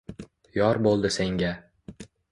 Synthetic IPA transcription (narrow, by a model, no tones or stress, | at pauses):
jɒɾbolˠd̪ɪse̞ŋɡʲa